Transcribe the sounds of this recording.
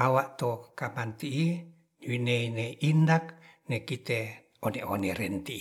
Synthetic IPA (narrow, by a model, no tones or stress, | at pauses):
awaʔt̪okamant̪iʔi | ɲuineineʔindak̚nekit̪e | oneoneɾɛnt̪i